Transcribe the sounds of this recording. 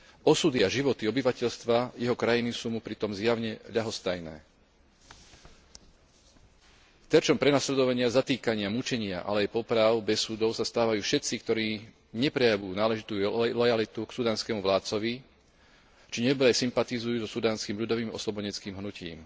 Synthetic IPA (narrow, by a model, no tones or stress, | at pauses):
ɔsud̪iaʒiʋɔt̪iɔbiʋacɛʎst̪ʋajɛɦɔkɾajinisuːmupɾit̪ɔmzjaʊɲɛʎaɦɔst̪ajnɛ̰ː | t̪ɛɾt͡ʃɔmpɾɛnaslɛd̪ɔʋaɲɪazat̪iːkaɲɪamut͡ʃɛɲɪa̰ʔa̰lɛajpɔpɾaʊbɛsuːd̪ɔʊsast̪aːʋajuːfʃɛt͡sikt̪ɔɾiː | ɲɛpɾɛjaʋuːnaːlɛʒit̪uːlɔjalit̪uksud̪aːnskɛːmuʋlaːt̪t͡sɔʋi | t͡ʃiɲɛbɾɛsimpat̪izujuːzɔsud̪aːnskiːmʎud̪ɔʋiːmɔ̰slɔbɔɲɛt͡skiːmɦnucḭːm